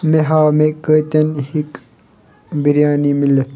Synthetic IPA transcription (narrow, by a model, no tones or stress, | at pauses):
meɦaːmekəit̪ɐnhik | biɾjaːnimilet̪